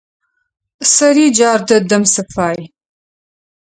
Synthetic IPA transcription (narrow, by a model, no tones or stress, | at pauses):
sɐɾiːd͡ʒaːrdɐdɐmsɨfaːj